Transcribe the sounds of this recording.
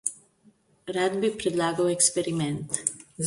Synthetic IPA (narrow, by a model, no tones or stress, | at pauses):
ɾaːd̪bipɾɛd̪laːɡɐwɛkspɛɾimɛnt̪